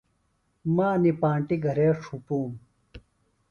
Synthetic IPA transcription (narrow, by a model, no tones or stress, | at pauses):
maːnipaːɳʈiɡʱɐɾeːʂʰupuːm